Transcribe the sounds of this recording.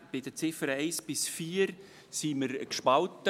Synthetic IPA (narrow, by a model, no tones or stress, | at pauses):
b̥ɪdət͡sɪfəɾeɪsb̥ɪsfiːəɾ | siməɾkʃpɑltə